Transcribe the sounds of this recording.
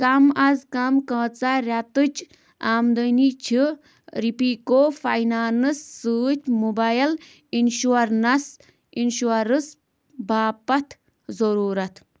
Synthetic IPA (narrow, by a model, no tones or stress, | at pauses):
kɐmɐzkɐmkɐ̃ːt͡saɾʲɐt̪ɨt͡ʃʰ | aːmd̪ənit͡ʃʰi | ɾipiːkoːfajnaːnɨsːɨːt͡ʃʲmubajɐl | inʃuɐɾnɐs | inʃuɐɾɨs | baːpɐt̪ʰ | zɐɾuːɾɐt̪ʰ